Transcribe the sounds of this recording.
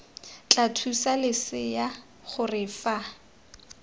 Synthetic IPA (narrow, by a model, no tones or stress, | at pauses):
t͡ɬʼatʰusalɪsɪja | χʊrɪfa